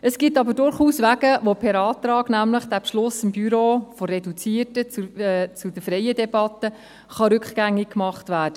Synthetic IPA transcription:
əsɡ̥itːɑbədʊɾχuːsʋæɡ̥əʋopʰɛɾɑːt̪ɾɑːɡnæmləχd̥æpʃlʊsɪmbyɾoːfɔɾɛdut͡siərtət͡st͡sudəfɾɛjədɛbɑt̪ə | χɑɾʏkχɡ̥æŋːik̚kmɑχtʋæːd̥ə

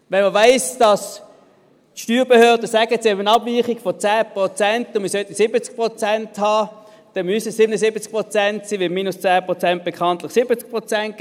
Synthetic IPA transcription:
ʋɛnməvaɪsd̥ɑs | tʃtyːʁbehøːɐd̥əsæɡətsiɛbənɑbviːχiɡ̥fɔt͡sæːpʁot͡sɛntʊnmiɪsœtisɪbət͡sk̚pʁɔt͡sɛnthɑː | d̥ɛnmysəssɪbənəsɪbət͡sk̚pʁot͡sɛntsiːʋɪmiːnʊst͡sæːpʁot͡sɛnt̚b̥ekʰɑntlɪχsɪbət͡sk̚pʁot͡sɛnt̚k

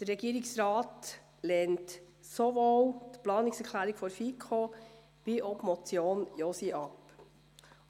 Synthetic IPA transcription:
d̥̪ərːɛɡiːɾɪksɾɑːt | leːnt | soʋot̪plɑːnɪksɛɾkʰlæːɾɪɡ̥fɔɾfikʰo | b̥iʔɔpmɔt͡sjoːnjosiʔɑp

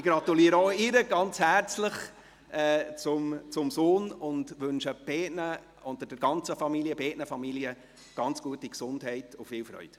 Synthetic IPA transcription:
ɪɡ̥ɾɑtuliːəɾəoɪɾəɡɑnt͡shært͡sləχ | ɛːt͡sʊmt͡sʊmsoːnʊndʋɵnʃəb̥ɛːtnə | ʊntədɛɾɡɑnt͡səfɑmiliəbeːʔnəfɑmiliə | ɡ̥ɑnt͡sɡ̥uətiksʊndhɛɪtʊfɪːlfɾœ̰ʏt

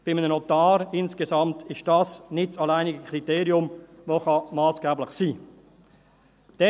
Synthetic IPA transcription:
b̥ɪmənənot̪ɑːɾɪnskesɑmtɪʃtd̥ɑsnɪtsɑlaɪnɪɡəkʰriteːɾiʊmvoχɑmɑːsɡ̥ɛːblɪχsiː | d̥ɛ

